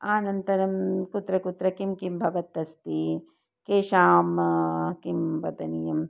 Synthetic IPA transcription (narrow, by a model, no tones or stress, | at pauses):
aːnɐnt̪ɐɾɐmkut̪ɾɐkut̪ɾɐkimkimbʱɐʋɐt̪ːɐst̪i | keːʃaːmkimʋɐd̪ɐnijɐm